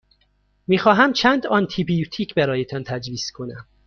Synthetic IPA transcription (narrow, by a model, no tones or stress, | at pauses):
miːxɒːɦæmt͡ʃʰænd̪ɒnt̪ʰibijut̪ʰiːcʰbæɾɒːjet̪ʰɒnt̪ʰæd͡ʒviːskʰo̞næm